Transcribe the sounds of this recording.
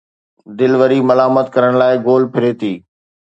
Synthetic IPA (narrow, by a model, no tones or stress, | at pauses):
d̪ɪlʋəɾimɐlaːmət̪kɐɾəɽ̃laːɪɡoːlpʰɪɾeːt̪iː